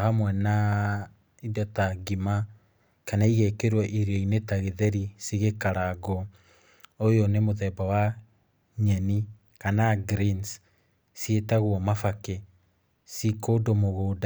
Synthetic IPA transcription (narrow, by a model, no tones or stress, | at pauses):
hamwɛna | idɔtaɡima | kanaiɣekeɾwɛʔiɾoinetaɣeðɛɾisiɣekaɾaɡɔ | ojonemoðɛbawa | ɲɛni | kanaɡɾins | sietaɣwɔmafake | sikoːdomoɣoːda